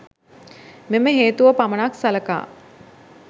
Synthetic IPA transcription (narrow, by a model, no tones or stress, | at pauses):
meməɦeːt̪uʋəpamənaksaləka̰ː